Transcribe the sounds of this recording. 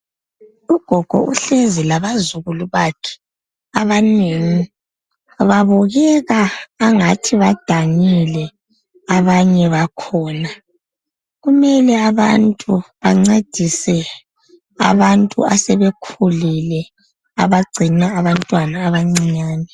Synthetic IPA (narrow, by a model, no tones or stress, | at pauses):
uɡ̥ʱɔɡ̥ʱɔ̰ʔuɬezilaβazuɣuluβakʰɛ̥ | aβaneŋi | βaβɔɣɛɣaːŋatʰiβad̥ʱaŋilɛ | aβaɲɛβakʰɔːna | ɣumɛlɛaβantʼuβaŋ͡ǀed̥ʱisɛ | a̰βantʼṵasɛβekʰulilɛ | a̰βaɡ͡ǀʱinaːβantʼwanaːβaŋ͡ǀiɲaːnɛ